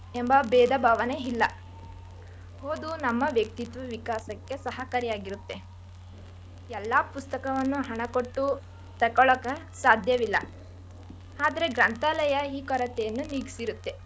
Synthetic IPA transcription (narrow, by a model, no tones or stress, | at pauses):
embɐbɛːd̪ɐbʱaːʋɐne̞ilːɐ | ɦoːd̪unɐmːɐʋjɐk̚t̪it̪ʋɐʋikaːsɐkːe̞sɐɦɐkɐɾijaːɡiɾut̪ːe̞ | ɛlːɐpust̪ɐkɐʋɐnːuɦɐɳɐkoʈːu | t̪ɐkɔɭɐkɐ | saːd̪ʱjɐʋilːɐ | aːd̪ɐɾe̞ɡɾɐnt̪aːlɐjɐiːkɔɾɐt̪ɛjɐnːuniːɡi̥siɾut̪ːe̞